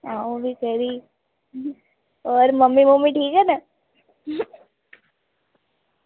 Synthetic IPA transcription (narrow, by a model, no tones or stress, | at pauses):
ãːõbʱikəɾi | ɔːɾmɐmːimũːmĩʈʰiːkɦɛna